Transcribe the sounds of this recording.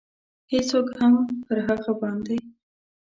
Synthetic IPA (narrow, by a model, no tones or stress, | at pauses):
hesokhampəɾɦaɣabɑnd̪ej